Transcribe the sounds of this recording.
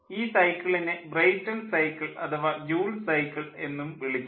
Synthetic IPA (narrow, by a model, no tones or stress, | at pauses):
iːsɐjkːɐɭinebrɐjtːɐnsɐjkːɐɭɐ̰t̪ʰɐʋad͡ʑuːlsɐjkːɐɭe̞nːumʋiɭikʲː